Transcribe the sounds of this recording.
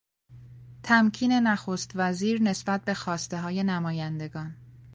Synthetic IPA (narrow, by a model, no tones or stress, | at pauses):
t̪ʰæmcʰiːne̞næxoːst̪væziːɾne̞sbæt̪̚be̞xɒːst̪e̞ɦɒːje̞næmɒːjænd̪e̞ɡɒːn